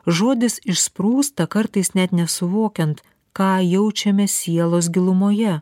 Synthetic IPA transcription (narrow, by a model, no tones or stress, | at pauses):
ʒoːd̪ʲɪsɪʃspɾuːst̪ɐkɐɾt̪ɐɪsnʲɛt̪nʲɛsʊʋoːkʲɛnt̪ | kɑːjɛʊt͡ʃʲɛmʲɛsʲiɛlˠoːs̬ɡʲɪlˠʊmoːjɛ